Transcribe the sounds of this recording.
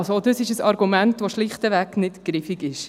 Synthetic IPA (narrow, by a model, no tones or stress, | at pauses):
lsoodəsɪʃəsɑɾɡumæntʋoʃlɪχtəʋæknɪtɡ̥ɾɪfiɡɪʃ